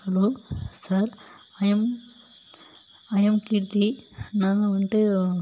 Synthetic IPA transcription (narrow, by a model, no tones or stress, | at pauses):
hɐloːsɐɾ | ɐm | ɐjɐmkiːɾt̪inaːŋɡɐʋɐɳʈɯ